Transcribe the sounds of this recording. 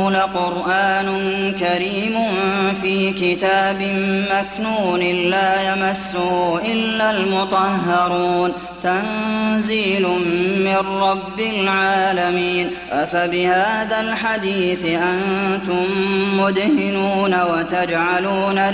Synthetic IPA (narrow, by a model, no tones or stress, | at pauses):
naqʊɾʔaːnʊnkaɾiːmʊnfiːkɪt̪aːbɪmmaknuːnɪːaːjamasːʊhʔɪlːalmʊt̪ˤɑhːɑɾˤuːn | t̪anziːlʊmmɪnːɑbːɪlʕaːlamiːn | fabɪhaːðalħad̪iːθʔant̪ʊmːʊd̪hɪnuːnawat̪ad͡ʒʕaluːna